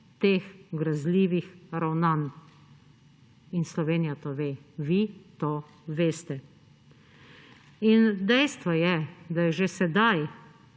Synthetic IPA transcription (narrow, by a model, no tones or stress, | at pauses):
t̪eːxɡɾazliːʋixɾawnan | inslɔʋeːnijat̪oʋeːʋit̪o | ʋeːst̪ɛ | ind̪ɛjst̪ʋɔjɛd̪ajɛʒesɛd̪aj